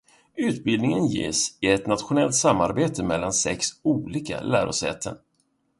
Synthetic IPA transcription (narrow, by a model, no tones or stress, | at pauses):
ʉ̟ːt̪̚bɪld̪nɪŋənjḛːsɪɛt̪nat̪ɧʊnɛlt̪samːaɾbeːt̪ʰəmɛlːansɛksuːliːka̰læ̰ːɾʔɔsɛ̰ːt̪ʰən